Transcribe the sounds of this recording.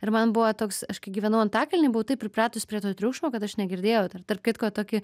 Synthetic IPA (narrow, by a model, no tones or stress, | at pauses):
ɪɾmɐnbʊʋɐt̪oːksɐʃkɐɪɡʲiːʋʲɛnɐʊɐnt̪ɑːkʲɐlʲɪnʲɪbʊʋʊt̪ɐɪpʲɾʲɪpɾɑːt̪ʊspʲɾʲiɛt̪oːt̪ʲɾʲuːkʃmoːkɐt̪ɐʃnʲɛɡʲɪɾʲd̪ʲeːjɛʊt̪ɐrt̪ɐrp̚kʲɪt̪koːt̪oːkʲɪ